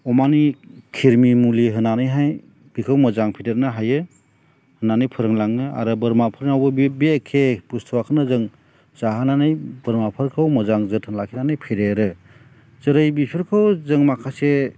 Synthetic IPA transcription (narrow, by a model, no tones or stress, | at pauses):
ɔmanikʰiɾmimuliɦɯnanɯjɦaj | b̥ikʰɯwmɔzaŋpʰidet̚nɯɦajɯ | hɯnanɯjpʰɯɾɯŋlaŋɯa̰ɾɯbɯɾmapʰɯɾnawbɯbbekʰebustʰuwakʰɯnɯzɯŋ | z̥aɦananɯjbɯɾmapʰɯɾkʰɯwmɔzaŋzɯtʰɯnlakʰinanɯjpʰiɾeɾɯ | zɯɾɯjbipʰiɾkʰɯwzɯŋmakʰase